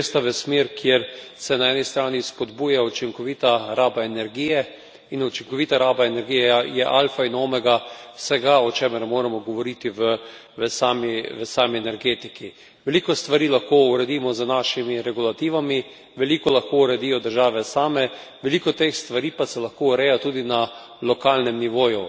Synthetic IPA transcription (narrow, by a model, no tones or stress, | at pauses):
st̪aʋəsmeɾkjeɾsɛnaɛːnist̪ɾaːnispɔd̪buːjaut͡ʃiŋkɔʋiːt̪aɾaːbaɛnɛɾɡijɛ | inut͡ʃiŋkɔʋiːt̪aɾaːbaenɛɾɡijɛjɛʔalfainoːmɛɡawsɛɡaɔt͡ʃɛːməɾmoːɾamɔɡɔʋɔɾit̪iʋə | ʋəsaːmiʋəsaːmiɛnɛɾɡeːt̪iki | ʋɛlikɔst̪ʋaɾiːlaxkouɾɛd̪iːmɔzənaʃimiɾɛɡulat̪iːʋami | ʋɛlikɔlaxkouɾɛd̪iːjɔd̪əɾʒaːʋɛsaːmɛʋɛlikɔt̪exst̪ʋaɾiːpasɛlɐxkouɾɛjat̪uːd̪ina | lɔkalnɛmniʋoːju